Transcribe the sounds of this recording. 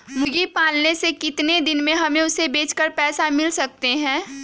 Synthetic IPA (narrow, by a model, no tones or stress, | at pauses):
mʊɡipaːlnesekɪt̪ned̪ɪnmẽɦɐmẽʊsebeːt͡ʃkəɾpɛːsamɪlsɐk̚t̪eɦɛ̃ː